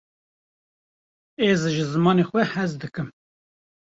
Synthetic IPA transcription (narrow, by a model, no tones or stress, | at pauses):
eːzɨʒɨzɨmɑːnexʷɛhɛzd̪ɨkɨm